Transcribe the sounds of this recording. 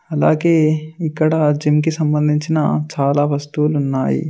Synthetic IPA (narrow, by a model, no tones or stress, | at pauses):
ɐla̰ːɡeːikːɐɽɐd͡ʒimk̬isɐmbɐnd̪ʱiɲt͡ʃinɐ̰t͡ʃaːlaːʋɐst̪ulunːaːjḭ